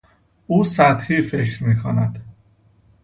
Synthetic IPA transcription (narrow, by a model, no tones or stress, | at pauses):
uːsæt̪hiːfe̞cʰɾmiːkʰonæd̪̥